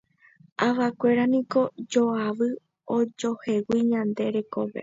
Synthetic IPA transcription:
aʋakʷe̞ɾanĩko̞d͡ʒo̞aʋɨ | od͡ʒohe̞wiɲãnd̪e̞ɾe̞koʋe̞̰

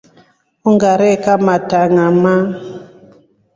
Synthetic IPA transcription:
uŋɡaɾɛkamataŋama

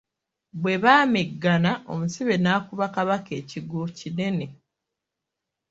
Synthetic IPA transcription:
βwe̞βaːmeɡːanaʔo̞musiβe̞naːkuβakaβake̞ːciɡocine̞ne

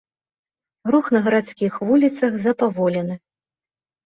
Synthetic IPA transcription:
ɣɾuxnɐɣɐɾat̪skʲixvulʲit̪sɐxzɐpavɔlʲɛnɨ

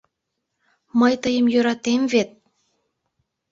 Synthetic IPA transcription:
məjt̪əjəmjøɾɑt̪emvet̪̚

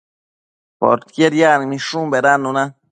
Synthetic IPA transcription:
po̰ɾt̪kjeɾjanmĩʃũmbeɾanuna

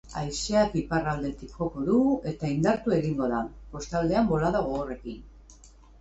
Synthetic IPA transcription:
a̰jseakiparald̪e̞t̪ikʝo̞ko̞ðue̞t̪aind̪aɾt̪ue̞ɣiŋɡo̞ðapo̞st̪ald̪e̞ambo̞laðoɣoore̞kin

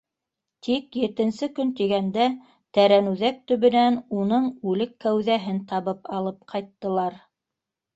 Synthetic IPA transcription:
t̪ʰikjɘ̆t̪ɘ̆nsɘkɵnt̪iɡænd̪æ | t̪æɾænʉðæk̚t̪ɵ̆βɘ̆nænunɤɴʉlɘkːæwðæɦɘnt̪ɑβɤpɑlˠɤp̚qʰɑjt̪ːɤ̆lˠɑɾ

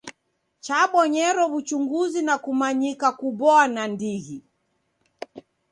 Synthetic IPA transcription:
t͡ʃaɓɔɲɛɾɔvut͡ʃuŋɡuzinakumaɲikakuɓɔanandiɣi

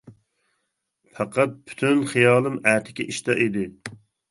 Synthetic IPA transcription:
fʰæqɑt̪̚pʰy̥t̪ʰynχijɑːlˠɨmæːt̪ʰɪ̥kʲiʔiʃt̪ɑʔid̪ɪ

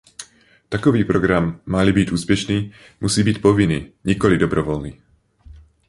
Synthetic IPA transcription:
t̪akɔʋiːpɾɔɡɾamːalibiɟuːspjɛʃniː | musiːbicpɔʋiniːɲikɔlid̪ɔbɾɔʋɔlniː

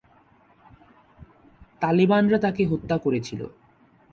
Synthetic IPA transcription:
t̪alibanɾat̪akeɦot̪ːakoɾet͡ɕʰilo̰

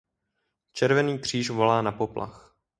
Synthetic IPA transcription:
t͡ʃɛɾvɛniːkr̝̥iːʃvo̞laːnapo̞plʔa̰x

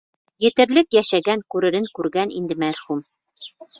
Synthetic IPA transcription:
jɘ̆t̪ɘ̆ɾlɘkjæʃæɡæŋkʉɾɘ̆ɾɘŋkʉɾɡænḭnd̪ɘmæɾχum

